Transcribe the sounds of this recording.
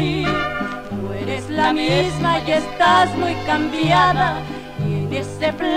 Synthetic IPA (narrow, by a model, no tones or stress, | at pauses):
i | eɾeslamizmaʝest̪azmujkambjaða | t̪jenesepl